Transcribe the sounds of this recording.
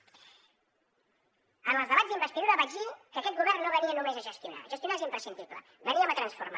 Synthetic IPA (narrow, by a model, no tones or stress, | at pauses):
ənəlˠzðəβazðimbəst̪iðuɾəβaʒikəkɛt̪̚ɡuβɛrnːoβəniənumezəʒəst̪juna̰ʒəst̪junaezimpɾəsind̪iplə̰ | bəniəmət̪ɾənsfurma